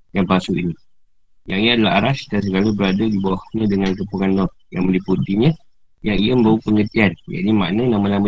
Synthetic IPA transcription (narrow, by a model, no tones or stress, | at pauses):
jaŋpasuʔini | jaŋiadalaɦaɾasdans̬əkalubəɾadadibawahɲãdəŋankəpuŋandɔt̚ | jaŋməliput̪iɲə̃ | jaŋijamə̃mbaupəŋət̪iand͡ʒa̰dimaʔnənaməlamə